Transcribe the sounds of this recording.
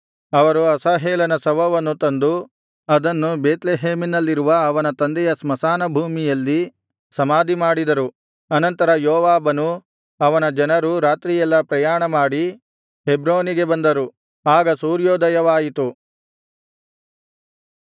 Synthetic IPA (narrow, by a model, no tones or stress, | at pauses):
ɐʋɐɾuɐsaːɦeːlɐnɐsɐʋɐʋɐnːut̪ɐnd̪u | ɐd̪ɐnːubeːt̪leɦeːminɐlːiɾuʋɐːʋɐnɐt̪ɐnd̪ɛjɐsmɐsaːnɐbʱuːmijɐlːi | sɐmaːd̪imaːɽid̪ɐɾu | ɐnɐnt̪ɐɾɐjoːʋaːbɐnu | ɐʋɐnɐd͡ʒɐnɐɾuɾaːt̪ɾijɛlːɐpɾɐjaːɳɐmaːɽi | ɦebɾoːniɡe̞bɐnd̪ɐɾu | aːɡɐsuːɾjoːd̪ɐjɐʋaːjit̪u